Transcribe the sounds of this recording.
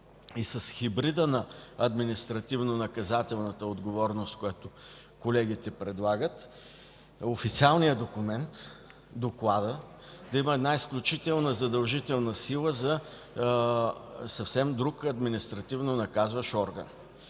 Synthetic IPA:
isɐsxibɾid̪ənɐɐd̪minist̪ɾɐt̪ivnonɐkɐzat̪ɛlˠnət̪əod̪ɡovɔɾnʊst̪kʊjat̪ʊ | kolɛɡ̟it̪ɛpɾɛd̪lˠaɡət̪ | ofit̪sialˠnijəd̪okʊmɛnt̪ | d̪oklˠad̪ə | d̪ɐiməɛd̪naisklʲʊt͡ʃit̪ɛlˠnəzɐd̪ɐlˠʒit̪ɛlˠnəsilˠəzɐ | sɐfsɛmd̪ɾukɐd̪minist̪ɾɐt̪ivnonɐkazvəʃɔɾɡə̰n

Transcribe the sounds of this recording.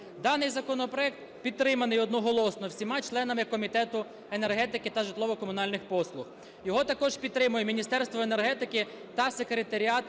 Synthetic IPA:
d̪ɑnɪjzɐkɔnɔpɾɔɛk̚t̪ | pʲid̪̚t̪ːɾɪmɐnɪjɔd̪nɔɦɔlˠɔsnɔwsʲimɑt͡ʃlˠɛnɐmɪkɔmʲit̪ɛt̪ʊ | ene̞rɦɛt̪ɪkɪt̪ɐʒɪt̪lˠɔʋɔkɔmʊnɑlʲnɪxpɔslˠʊx | jɔɦɔt̪ɐkɔʒpʲid̪t̪ɾɪmʊjɛmʲinʲist̪ɛrst̪ʋɔenerɦɛt̪ɪkɪ | t̪ɐsekɾet̪ɐɾʲiɑt̪

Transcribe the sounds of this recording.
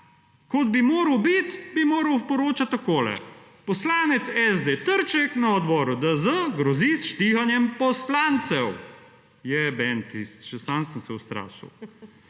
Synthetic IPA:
kɔd̪bimoːɾəwbit̪bimoːɾəwpɔɾoːt͡ʃat̪ɔkoːlɛ̰ | pɔslaːnɛt̪sɛzd̪et̪əɾt͡ʃɛknaɔd̪bɔːɾud̪əzəɡɾɔzisʃt̪ixanjɛmpɔslant̪sɛw | jɛbɛnt̪ist̪t͡ʃɛsaːnsəmsɛwst̪ɾa̰ːʃḭw

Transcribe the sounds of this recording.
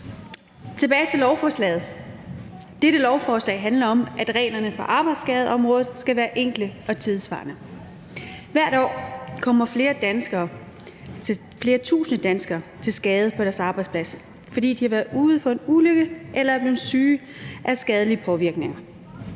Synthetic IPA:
t͡sʰe̝b̥ɛːɪt͡sʰe̝lɒʊfɒːslɛ̰ːð̞̩ˠ | d̥eɾəlɒʊfɒːslɛ̰ɪɦænlɐɒ̽mʔæd̥ʁɛ̰ːnɐnəpʰɒ̽ʔɑ̈ːb̥ɑ̈ɪd̥sɡ̥ɛð̞ˠɒ̽mʁɔ̽ːð̩ˠsɡ̥æʋæːɐʔeŋ̰ɡ̥ləɒ̽t͡sʰiðˠsʋɑ̰̈ːnə | ʋæɐ̰ɾ̥ɒ̰ːkʰɒ̽m̰ɐfle̝ːɐd̥ænsɡ̥ɐː | fle̝ːɐt͡sʰṵːsnəd̥ænsɡ̥ɐːt͡sʰe̝lsɡ̥ɛːð̞̩ˠpʰɒ̽d̥æɐsɑ̈ːb̥ɑ̈ɪdspʰlæs | fɒ̽d̥ḭːd̥ihɑ̈ʋæːɐðˠuːð̩ˠfɒ̽e̝nuløɡ̥əʔelɐæɐb̥liːsyː | ʔæsɡ̥ɛːð̞ˠəliəpʰɒ̽ʋiɐɡ̥ne̝ŋɐ

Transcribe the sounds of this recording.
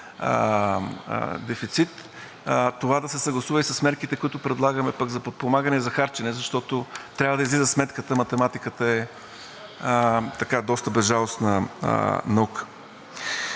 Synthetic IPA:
d̪ɛfit̪sit̪ | t̪ːovad̪ɐsɛsɐɡlˠɐsuvɐəisɐsmɛɾkit̪ɛkoʊit̪ʊpɾɛd̪lˠaɡəmɛpɐɡzɐpot̪̚pomaɡənɛzɐxaɾt͡ʃɛnɛzɐʃt̪ɔt̪ot̪ɾʲavəd̪ɐizlizəsmɛt̪kət̪əmɐt̪ɛmat̪ikət̪əɛ | t̪ɐkad̪ɔst̪əbɛzʒalˠosnə̰ | nɐukə̥

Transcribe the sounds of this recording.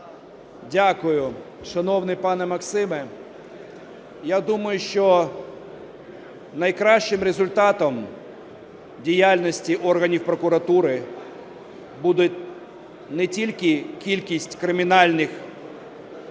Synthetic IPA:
dʲakʊjʊ | ʃɐnɔwnɪjpɑnɛmɐksɪmɛ | jad̪umɐjʊʃt͡ʃɔ | nɐjkɾɑʃt͡ʃɪmɾezʊlʲt̪ɑt̪ɔm | dʲijalʲnɔsʲtʲiʔɔrɦɐnʲiwpɾɔkʊɾɐt̪uɾɪ | bud̪ʊtʲ | nɛtʲilʲkɪkʲilʲkʲisʲtʲkɾɪmʲɪnɑlʲnɪx

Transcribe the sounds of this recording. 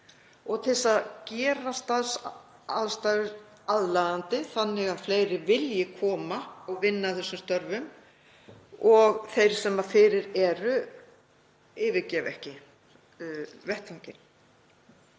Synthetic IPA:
ɔɣt̪ʰɪlsaðcɛːɾast̪aðs | aðst̪aːɣɪɾ | aðlaðant̪ɪθanːɪɣaðfleːjɾɪvɪljɪkʰɔːmaːwvɪnːaθɛsːʏmst̪œɾvʏm | ɔɣθejɾ̥sɛmːafɪːɾɪɾɛɾʏ | ɪːvɪɾcɛːvɛhcɪ | vɛht̪awɲcɪn

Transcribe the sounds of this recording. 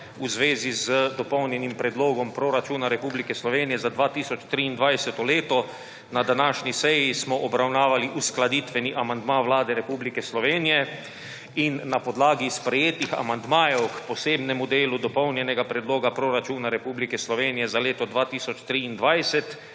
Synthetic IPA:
uzʋeːzizəd̪ɔpɔwnjɛnimpɾɛd̪loːɡɔmpɾoɾat͡ʃuːnaɾɛpublikɛslɔʋeːnijɛzad̪ʋaːt̪iːsɔt͡ʃt̪ɾiːnd̪ʋajsɛt̪ɔleːt̪ɔ | nad̪anaːʃnʲisɛjismɔʔɔbɾawnaːʋaliʔusklad̪iːt̪ʋɛniʔamand̪maʋlaːd̪ɛɾɛpublikɛslɔʋeːnijɛ | inːapɔd̪laːɡispɾɛjeːt̪ixa̰mand̪maːjɔwkpɔseːbnɛmud̪eːlud̪ɔpɔwnjɛnɛɡapɾɛd̪loːɡapɾoɾat͡ʃuːnaɾɛpuːblikɛslɔʋeːnijɛzaleːt̪ɔd̪ʋaːt̪iːsɔt͡ʃt̪ɾiːnd̪ʋajsɛt̪

